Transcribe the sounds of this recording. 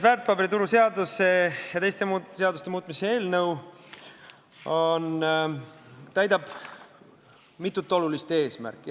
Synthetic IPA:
vært̪̚pɑbeɾit̪uɾuse̞ɑd̪usejɑt̪ejst̪emuseɑd̪ust̪e̞muːt̪misee̞ːlnɤw | on | t̪æjd̪ɑb̥ | mit̪ːˑut̪ːˑo̞lulist̪e̞ːsmæ̰rkːˑi

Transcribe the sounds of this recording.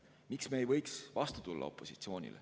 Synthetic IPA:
miksmeːjvɤjksvɑst̪ut̪ulːʔɑ̰o̞̰pːˑo̞sit̪sio̞ːnʲḭle

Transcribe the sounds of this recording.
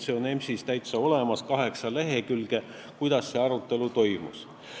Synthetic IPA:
seone̞msist̪æjt̪sɑo̞le̞mɑskɑɦe̞ksɑleɦe̞kylɡ̥e̞ | kujd̪̥ɑsːe̞ɑɾut̪ːˑe̞lut̪o̞jmṵs

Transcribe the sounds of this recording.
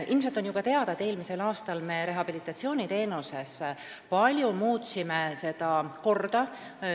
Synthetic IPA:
ʔilms̬et̪ːˑo̞njuɡ̥kɑt̪e̞ɑd̪̥ɑd̪e̞ːlmise̞lɑːst̪ɑlme̞ɾe̞ɦɑb̥ilit̪ːˑɑt̪sio̞ːnʲit̪e̞ːnuse̞s | pɑlʲjumuːt̪sime̞se̞d̪̥ɑko̞rd̪̥ɑ

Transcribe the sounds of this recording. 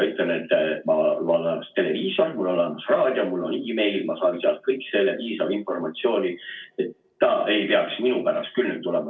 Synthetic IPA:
et̪lene̞t̪ːˑmɑlonːɑɑst̪e̞le̞viːso̞rmulːolːɑnd̪ɑsrɑːd̪̥ʲiomulːo̰niime̞jlmɑsɑːinseɑlt̪̚kɤjkse̞lːeviːsɑlinfo̞rmɑt̪sio̞ːnʲiet̪ːɑʔe̞jpeɑksminupæɾɑst̪kylːet̪ːule̞mɑ

